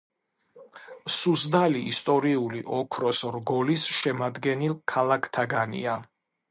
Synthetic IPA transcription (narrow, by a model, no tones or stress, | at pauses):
suzd̪aliːst̪ʼɔɾiuliʔɔkʰɾɔsɾɡɔlisʃɛmad̪ɡɛnilˠkʰalakʰt̪ʰaɡanḭa